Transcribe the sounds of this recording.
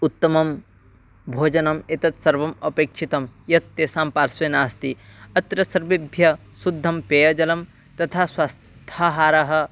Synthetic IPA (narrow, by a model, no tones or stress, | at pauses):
ut̪ːɐmɐm | bʱoːd͡ʒɐnɐmet̪ɐt̪sɐɾʋɐmɐpeːkʂʰit̪ɐmjɐt̪ːeːsaːmpaːɾsʋeːnaːst̪iɐt̪ɾɐsɐɾʋibʱjɐ | sud̪ʱːɐmpeːjɐd͡ʒɐlɐm | t̪ɐt̪ʰaːswaːstt̪ʰaːɦaːɾɐɦɐ̆